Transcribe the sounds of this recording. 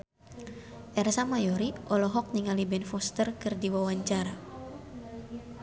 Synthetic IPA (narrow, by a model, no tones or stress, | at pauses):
ʔɛrsamajɔɾiʔɔlɔɦɔk̚niŋalibɛnfɔst̪ərkɨrdiwawaɲt͡ʃaɾa